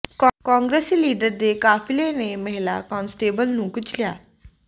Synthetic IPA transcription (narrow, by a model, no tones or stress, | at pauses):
kɔ̃ːŋɡɾəsiliːɖəɾd̪eːkaːfʰɪleːneːmɛɦɪla̰ːkɔːnsʈeːbəlnũːkʊt͡ʃʰlɪja̰ː